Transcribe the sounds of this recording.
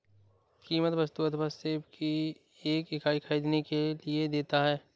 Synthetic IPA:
kiːmət̪ʋɐst̪uəd̪ʱbaseːbkʰi | eːkɪkaːikʰaiːd̪nekelied̪eːt̪aɦɛː

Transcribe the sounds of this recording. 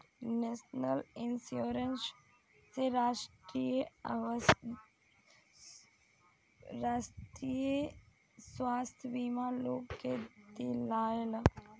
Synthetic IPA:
nesnəlinsjoːɾəns | seɾaːʃʈɾije | ɾast̪ɾije | swaːst̪ʰjəʋimaloːkket̪ilaːela

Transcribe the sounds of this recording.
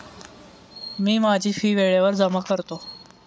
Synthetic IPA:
miːmad͡ʑʱiːfiːʋeɭjaʋəɾd͡zəmakəɾt̪o

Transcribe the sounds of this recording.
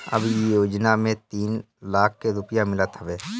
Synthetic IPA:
ə̰bʱjoːd͡ʒnamẽt̪iːn | laːk̚ʰkeɾʊpjamɪlət̪ɦəʋeː

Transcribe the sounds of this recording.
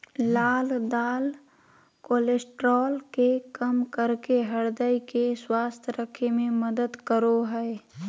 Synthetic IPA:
laːld̪aːl | koːlesʈɾɔːlkekəmkəɾkeɦɐɾd̪əjkeswaːst̪ʰɾəkʰemẽməd̪əd̪kəɾoɦɛː

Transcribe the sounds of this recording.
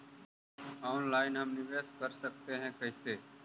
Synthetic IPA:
ɔːnlaːɪnɦɐmnɪʋeːskɐɾsɐk̚t̪eɦɛ̃kɐɪseː

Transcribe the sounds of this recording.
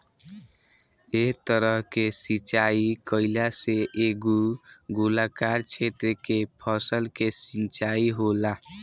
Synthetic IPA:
eɦt̪əɾəɦkesit͡ʃaikəɪlaseʔeɡuɡulakaɾt͡ʃʰet̪ɾəkepʰəsəlkesint͡ʃaiɦola

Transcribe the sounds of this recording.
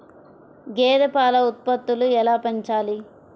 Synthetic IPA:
ɡɛːd̪ɐpaːlɐut̪̚pɐt̪ːuluɛlaːpɐɲt͡ʃaːli

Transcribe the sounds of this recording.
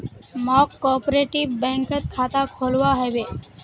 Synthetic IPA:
mɔːkːɔːpɾeːʈiʋbɛ̃ŋkət̪kʰat̪akʰoːlʋaɦɛʋe

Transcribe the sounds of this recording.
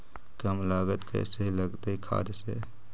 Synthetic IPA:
kəmlaːɡət̪kɛ̰ːseləɡt̪eikʰa̰ːd͡ʒ̪sḛ

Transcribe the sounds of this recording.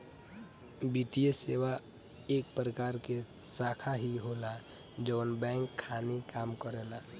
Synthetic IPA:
biːt̪ijeseːʋa | eːk̚pɾəkaːɾke | saːkʰaɦiɦola | d͡ʒɔːnbɛ̃ːŋkʰːaːnekaːmkəɾeːla

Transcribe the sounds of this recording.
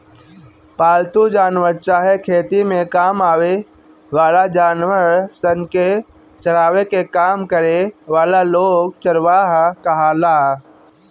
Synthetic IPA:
paːlt̪ud͡ʒaːnwəɾt͡ʃaːɦekʰeːt̪imẽkaːmaːwe | ʋaːlad͡ʒaːnwəɾsənke | t͡ʃəɽaːʋekekaːmkəɾeʋaːlaloːɡt͡ʃəɾʋaːɦkəɦalaː

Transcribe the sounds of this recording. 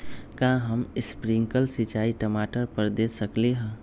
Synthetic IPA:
kãɦəmɪspɾiŋkəlsɪt͡ʃaːiʈəmaːʈəɾpəɾd̪eːsəkleɦɛ̃

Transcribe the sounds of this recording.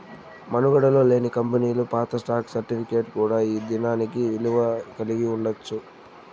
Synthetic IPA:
mɐnuɡɐɽɐlo̞ːle̞ːnikɐmpɐniːlupaːt̪ɐsʈaːksɐɾʈipʰike̞ːʈkuːɽaːiːd̪inaːnikiiluʋɐkɐliɡiuɳɖɐt͡ʃːu

